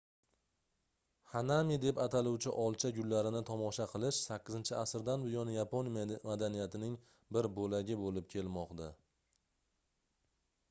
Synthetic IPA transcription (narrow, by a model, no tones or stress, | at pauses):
hanamid̪e̞pat̪ʰalˠuwt͡ʃʰɪʔɒlˠt͡ʃʰaɡʲʊlːaɾɪnɪt̪ʰɒmɒʃaqʰɨlˠɪʃsakʲːɪzɪnt͡ʃʰɪasɾd̪anbʊjɒnjapʰonmad̪anijat̪ʰɪnɪŋ | bɪɾbolaɡʲɪbolɪp̚kʲʰe̞lmɒqd̪a